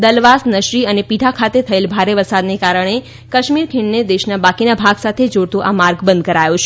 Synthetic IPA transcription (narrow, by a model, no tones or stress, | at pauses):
d̪əlʋasnəʃɾiənepiʈʰakʰat̪et̪ʰəelbʱaɾeʋəɾsad̪nekaɾəɳ̃e | kəʃmiɾkʰiɳned̪eʃnabakinabʱaɡsat̪ʰed͡ʒoɽt̪ũʔamaɾɡbənd̪̚kəɾajut͡ʃʰe